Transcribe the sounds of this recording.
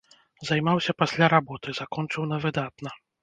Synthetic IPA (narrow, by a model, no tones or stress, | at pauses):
zajmawsʲɐpasʲlʲaɾabɔt̪ɨzakɔnt͡ʂɨwnɐvɨd̪at̪̚nɐ